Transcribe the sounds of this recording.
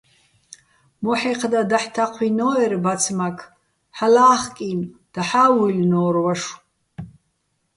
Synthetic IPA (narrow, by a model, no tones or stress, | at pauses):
mɔħiqʰd̪ad̪aħt̪ʰaqʷʰinɔɛɾbat͡sʰmakʰ | ħalaːχkʼind̪̥aħawulʲnɔːɾwaʂ